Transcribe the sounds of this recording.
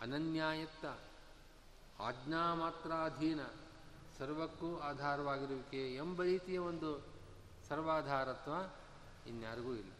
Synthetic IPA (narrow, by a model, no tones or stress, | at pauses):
ɐnɐnjaːjɐt̪ːɐ | a̰ːd͡ʒnaːmaːt̪ɾaːɐd̪ʱiːnɐ | sɐɾʋɐkːuaːd̪ʱaːɾɐʋaːɡiɾuʋikeembɐɾiːt̪ijɐʋond̪u | sɐɾʋaːd̪ʱaːɾɐt̪ʋaː | injaːɾɐɡuilːɐ